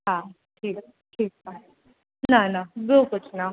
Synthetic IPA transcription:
ɦã | ʈʰiːk | ʈʰiːk̚a | nanabokʊt͡ɕʰna

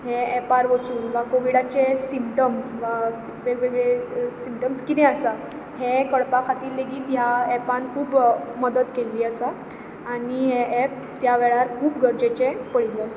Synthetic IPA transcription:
ɦeɛpaɾʋət͡suːnʋakoʋiɽat͡ɕesimpʈəmsʋa | ʋeɡʋeɡɭesimpʈəmskit̪ɛ̃əsa | ɦekəɭpakʰat̪iːlːeɡiːt̪ɦjaɛpãnkʰuːbməd̪əd̪keliːəsa | aɽ̃iɦeʔɛp̚ | t̪jaʋɛɭaɾkʰuːpɡʱəɾd͡ʑet͡ɕepəɽ̤liːəsḁ

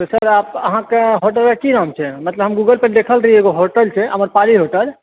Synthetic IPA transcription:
t̪osəɾapəɦãkeɦoʈəlekiɾaɦmt͡ʃʰɛmət̪ləbɦəmɡuɡəlpeɾd̪ekʰəlɾəɦieɡoɦoʈəlt͡ʃʰɛɦəməɾpaliɦoʈəl

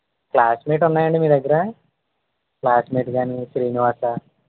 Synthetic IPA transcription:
klaːsmeːʈ̬unːaːjɐɳɖimiːɾd̪ɐɡːɐɾa | klaːsmeːʈɡaːniʃɾiːniʋaːsa

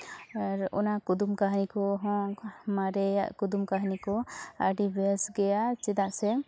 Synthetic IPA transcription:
aɾɔ̰nakud̪umkaɦnikɔɦɔ̃maɾɛjaʔkud̪umkaɦnikɔa̰ɖibɛsɡɛjat͡ʃɛd̪aʔsɛ

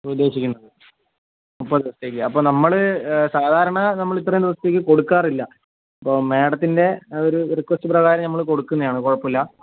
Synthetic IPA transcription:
ud̪ːe̞ːɕikʲːunːɐðɨ | upːɐd̪ɐʋɐst̪eːkːɨɐpːo̞ːnɐmːɐɭɨsaːd̪ʱaːɾɐɳɐnɐmːɐɭit̪ːrɐjumnd̪iʋɐst̪ːek̬ʲːɨko̞ɽukːaːrilːɐ | ɐpːo̞ːme̞ːɽɐt̪ːinde̞oɾurikːʋɐstɨprɐɣaːɾɐmnɐmːɐɭko̞ɽukːunːɐðjaːɳɨkoɻɐpːilːɐ

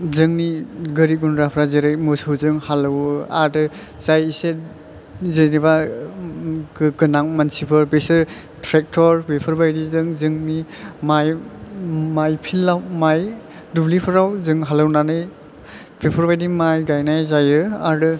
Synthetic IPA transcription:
zɯŋniɡɯɾiɡunɾapʰɾazeɾɯjmɯsɯwzɯŋhalɯwa̰ɾdɯ | z̥ajise | zeniba | ɡɡɯnaŋmansipʰɯɾbesɯɾ | tʰɾek̚tʰɔɾbepʰɯɾbajdizɯŋzɯŋnimaj | majpʰilːawmaj | dublipʰɯɾawzɯŋɦalɯwnanɯj | pʰepʰɔɾbajdimajɡajnajzajɯaɾdɯ

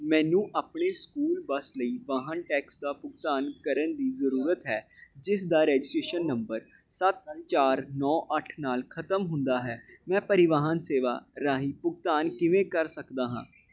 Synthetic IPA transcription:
mɛ̃ːnũːʔaːpɳeːskuːlbəsləiːʋaːɦənʈɛːksd̪aːpʊɡ̚t̪aːnkəɾənd̪iːzəɾuːɾət̪ɦɛːd͡ʒɪs̬d̪aːɾɛːd͡ʒɪsʈɾeːʃənːəmbəɾ | sət̪t͡ʃaːɾnɔːʔəʈʰnaːlkʰət̪əmɦʊnd̪aːɦɛːmɛ̃ːpəɾɪʋaːɦənseːʋa̰ːɾaːɦiːpʊɡ̚t̪aːnkɪʋẽːkəɾsəkd̪aːɦãː

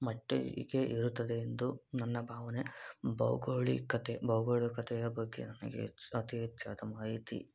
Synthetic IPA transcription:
mɐʈːḛɡeʔiɾut̪ːɐd̪e̞ːnd̪unɐnːɐbʱaːʋɐnebɐ̰wɡoːɭḭkɐt̪ebɐwɡoːɭikɐt̪ʰɛjɐbɐɡːḛnɐnɐ̰ɡḛɐt̪iɦɛtːt͡ʃaːd̪ɐmaːɦit̪ḭ

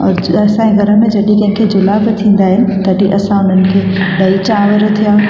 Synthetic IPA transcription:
ɔ̰ːɾɐsãẽɡʱɐɾə̆mẽd͡ʑɐɗikɐ̃ɦɪ̃ŋkʰeːd͡ʑʊlabɪt̪ʰĩːn̆d̪aːɦɪnɪ̆t̪ɐɗiʔɐsãʊn̤ənɪ̆kʰeːɗɐit͡ɕaːʋəɾt̪ʰijãː

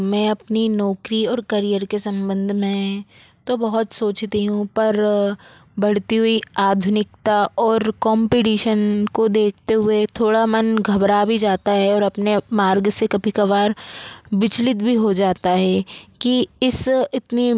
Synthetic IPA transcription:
mɛ̃ːɐpninɔːkɾiɔːɾkɐɾijəɾkesɐ̃mbə̃nd̪ʱmẽ | t̪obɐɦʊt̪soːt͡ʃt̪iɦũpɐɾ | bɐɽ̤t̪iɦuiaːd̪ʱʊnɪk̚t̪aɔːɾkɔːmpiʈiːʃənkod̪eːk̚ʰt̪eɦʊet̪ʰoːɽamɐnɡʱɐbɾabʱid͡ʒaːt̪aɦɛɔːɾɐpnemaːɾɡsekɐbʱikɐʋaːɾbɪt͡ʃlɪt̪bʱiɦod͡ʒaːt̪aɦɛːkiɪsɪt̪ni

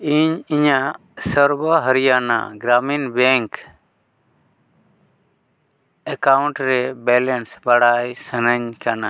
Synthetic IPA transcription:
iɲiɲa | səɾbəɦəɾijana̰ɡɾaminbɛ̃ŋk | ɛkawɳʈɾɛbɛlɛnsbaɽajsənəɲkana̰

